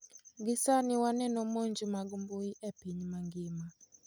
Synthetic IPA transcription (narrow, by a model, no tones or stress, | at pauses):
ɡɪsanɪwanɛnɔmɔɲd͡ʒumaɡumbuiʔɛpiɲmaŋɡɪma